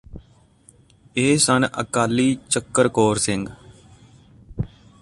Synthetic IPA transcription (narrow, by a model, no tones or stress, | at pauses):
eːsənʔə̰kaːliːt͡ʃəkːəɾkoːɾsɪ̃ŋɡ